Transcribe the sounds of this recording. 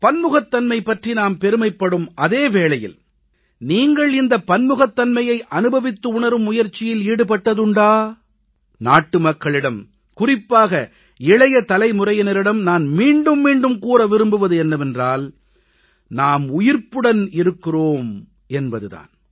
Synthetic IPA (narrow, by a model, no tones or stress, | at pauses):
pɐnmʊɣɐt̪ːɐnmɐɪpːɐʈrinaːmpɛɾɯmɐɪpːɐɽɯmʔɐðeːʋeːɭɐjɪ̰l | niːŋɡɐɭɪnd̪ɐpːɐnmɯɣɐt̪ːɐnmɐjɐɪʔɐnɯbɐʋɪt̪ːɯʊɳɐɾɯmːʊjɐɾt͡ʃːɪjɪliːɽɯpɐʈːɐðɯɳɖaː | naːʈːɯmɐkːɐɭɪɽɐm | kʊrɪpːaːɣɐ | ɪɭɐjɐt̪ɐlɐɪmʊrɐjɐnɐɾɪɽɐmnaːnmiːɳɖɯmːiːɳɖɯmkuːɾɐʋɪɾɯmbɯʋɐðɯɛnːɐʋɛndraːl | naːmʊjɪɾpɯɽɐnɪɾɯkːɪroːm | ɛnbɐðɯða̰ːn